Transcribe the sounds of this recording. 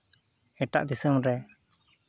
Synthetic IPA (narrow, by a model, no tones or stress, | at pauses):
ɛʈa̰ʔd̪isəmɾɛ